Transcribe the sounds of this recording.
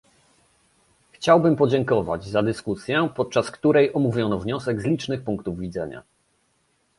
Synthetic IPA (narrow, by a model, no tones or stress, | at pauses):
xt͡ɕawbɘmpɔd͡ʑɛŋkɔva̰d͡ʑzad̪ɘskusʲjɛpɔt̪̚t͡ʂaskt̪uɾɛjʔɔmuvʲjɔnɔvɲɔsɛɡzlʲit͡ʂnɘxpuŋkt̪uvːʲid̪zɛɲa̰